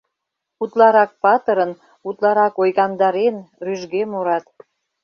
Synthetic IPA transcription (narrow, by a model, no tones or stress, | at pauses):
ut̪lɑɾɑk̚pɑt̪əɾən | ut̪lɑɾɑkojɣɑnd̪ɑɾenryʒɣemoɾɑt̪